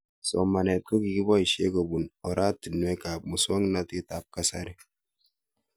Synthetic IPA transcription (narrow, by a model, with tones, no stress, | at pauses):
so˨mːa˨ne˨t̪̚ku˦ɡi˨ɡi˦bɔ˦i˨ʃe˦ɡo˨bu˨nɔ˨ɾa˦t̪ːi˨nːu˨e˦ka˨b̚mu˨swa˦ŋna˦t̪i˦t̪a˨˦p̚ka˦sa˦ɾi˦